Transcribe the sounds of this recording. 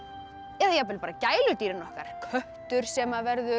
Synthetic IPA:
ɛðajɛp̬ɪlpaːɾacaːjlʏt̪iːɾɪnɔhka̰ɾ̥kʰœht̪ʏɾ̥sɛmavɛɾðʏ

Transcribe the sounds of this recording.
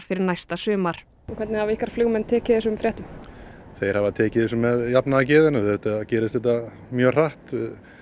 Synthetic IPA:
ɾ̥fɪɾɪɾnajst̪asʏːmaɾ̥ | ɔkʰvɛɾt̪nɪhavihkaɾ̥floːɣmɛnt̪ʰɛːcɪθɛsʏmfɾɛːht̪ʏmθejɾ̥havat̪ʰɛːcɪðɛsʏmːɛðjapnaðacɛːðɪnaɛt̪acɛːɾɪst̪θɛht̪a | mjœːr̥aht̪

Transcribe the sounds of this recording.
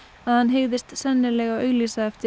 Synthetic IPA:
aðhanɦeɣðɪst̪sɛnːɪlɛɣawœːɣlisaɛft̪ɪ

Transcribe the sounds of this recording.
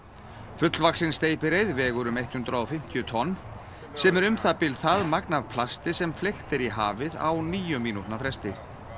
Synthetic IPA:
fʏt̪lvaksɪnst̪eːjpɪɾejðvɛːɣʏɾʏmejht̪hʏnt̪ɾaɔfɪm̥t̪jʏt̪ʰɔnː | sɛmɛɾʏmθapɪlθaðmaknav̥pʰlast̪ɪsɛmflext̪ɛɾiɦa̰ːvɪða̰wniːjʏmiːnut̪nafɾɛst̪ɪɾ

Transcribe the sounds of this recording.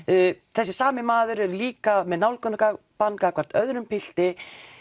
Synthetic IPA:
θɛsːɪsaːmɪmaːðʏɾɛɾliːkamɛðnawlkʰœnaka | pankakʰvaɾ̥t̪œðɾʏmpɪl̥t̪ɪ

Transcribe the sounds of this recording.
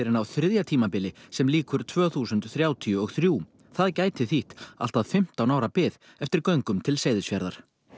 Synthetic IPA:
ɪɾɪnawθɾɪðjat̪ʰiːmapɪlɪsɛmliːkʏɾ̥t̪ʰvœːɣθuːsʏnt̪θɾjaːwt̪ʰiʏɔɣθɾjuː | θaðcaːjt̪ɪθiht̪a̰l̥t̪aðfɪm̥t̪awnaːwɾapɪð | ɛft̪ɪɾkœɥŋkʏmt̪ʰɪlseːjðɪsfjaɾðaɾ̥

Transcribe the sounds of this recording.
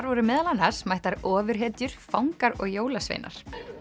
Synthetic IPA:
ɾvɔɾʏmɛːðalanasmajht̪aɾɔːvʏɾ̥ɦɛːt̪jʏɾ̥fawŋkaɾɔ̰ɣjoːwlasvḛjnʔa̰ɾ̥

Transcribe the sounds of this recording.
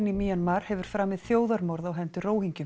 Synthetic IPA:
nimiːanmaɾ̥hɛvʏɾ̥fɾaːmɪðθjoːwðaɾmɔɾðawɦɛnt̪ʏroːwhiɲcʏ

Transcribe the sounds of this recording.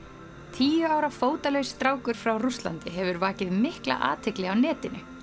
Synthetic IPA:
t̪ʰiːjʏaːwɾafoːwt̪alɛɣst̪ɾaːwkʏɾ̥fɾawrust̪la̰nt̪ɪɦɛvʏɾvaːcɪðmɪhkla̰ʔa̰ːt̪ʰɪklɛɣawnɛːt̪ɪnʏ

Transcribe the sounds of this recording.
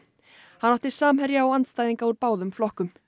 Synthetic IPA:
hanːawht̪ɪ̥saːmɦɛɾjaawant̪st̪ajðiŋkauɾpaːwðʏmflɔhkʏm

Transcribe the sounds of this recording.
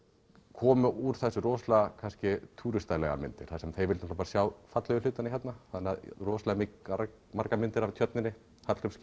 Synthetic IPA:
kʰɔːmʏʔuɾ̥θɛsːʏrɔːslakʰanscɪt̪ʰuːɾʏst̪ajlɛ̰ɣa̰mɪ̰nt̪ɪ̰ɾ̥θasɛmθejɾvɪlt̪ɔt̪ːpaɾasjawfat̪lɛɣʏlʏːt̪anɪçɛt̪naθanːaðrɔːslamɪa | maɾkamɪnt̪ɪɾavt̪ʰjœt̪nɪnːɪ | hat̪ɾʏms

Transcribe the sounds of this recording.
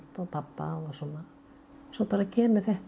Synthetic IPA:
lt̪ɔwpʰapːa̰ɔsɔnːa | sɔwpaːɾacʰɛːmʏɾ̥θɛht̪

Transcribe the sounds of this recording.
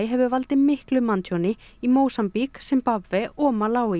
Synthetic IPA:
jɦɛvʏvalt̪ɪmɪhklʏmant̪ʰjɔnɪ | imoːwsampiksɛmpavːɛɔːmalaːwɪ

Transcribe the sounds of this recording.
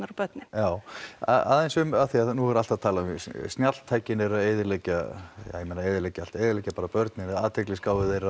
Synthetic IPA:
aɾapœt̪nɪjaːwa̰a̰ðejnsʏmaθiaðnuɛɾalt̪aðt̪ʰaːlaʏmɪst̪njal̥t̪ʰaːjcɪnɛɾaðeːðɪɾlejcaja̰jɛmeːnaeːjðɪɾleːjcal̥t̪eːjðɪɾleːjcapaːɾapœɾt̪nɪnɛaːðt̪ʰɛklɪskaːwvɪðejɾa

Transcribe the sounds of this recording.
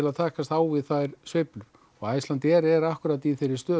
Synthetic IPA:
ɪlaðt̪ʰaːhkast̪aːwvɪðθajɾ̥svejplʏɾ̥ | ɔɣajst̪lant̪ɪɛɾɛɾahkʏɾat̪iθɪɾːɪɾ̥st̪œː

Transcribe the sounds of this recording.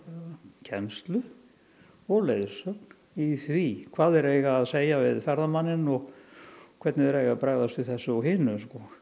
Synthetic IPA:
cʰɛnst̪lʏ | ɔɣleːjðsœkn̥ | iθvikʰvaːðɛɾejɣaːðseːjavɪðfɛɾðamanːɪnɔɣ | kʰvɛt̪nɪðɛɾejɣapɾaɣðast̪ɪθɛsːʏaɦɪːnʏskɔ

